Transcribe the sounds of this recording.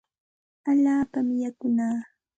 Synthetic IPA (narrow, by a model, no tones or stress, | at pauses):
aʎaːpamɪjakʊnaː